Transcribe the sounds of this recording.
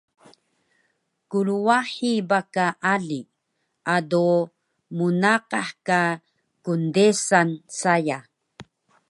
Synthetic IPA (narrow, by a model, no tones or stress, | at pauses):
kuluwaħibakaʔaɮi | ado | munaqaħka | kundesansaja